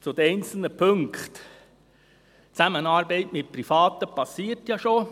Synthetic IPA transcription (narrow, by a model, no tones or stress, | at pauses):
t͡sʊd̪əɾɛɪnt͡sl̩nəpʰɵŋkχt | t͡sæmənɑːɾbɛɪtmɪt̚prifɑːt̪əpʰɑsiːtjɑʃo